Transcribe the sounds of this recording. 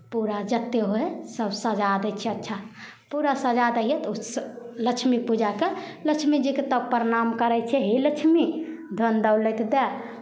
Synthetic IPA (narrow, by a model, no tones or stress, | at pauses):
puɾad͡ʒət̪ːeɦoɦesəbsəd͡ʒad̪ɛt͡ʃʰɛətːʃʰa | puɾasəd͡ʒad̪əijɛt̪usləkt͡ʃʰmipud͡ʒakeləkt͡ʃʰmid͡ʒiket̪əpəɾnamkəɾɛt͡ʃʰɛɦiləkt͡ʃʰmi | d̪ʱond̪əwlɛt̪d̪ɛ